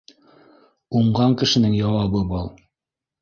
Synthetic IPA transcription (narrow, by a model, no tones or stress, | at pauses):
uɴɢɑŋkɘ̆ʃɘ̆nɘŋjɑwɑβɤbɑlˠ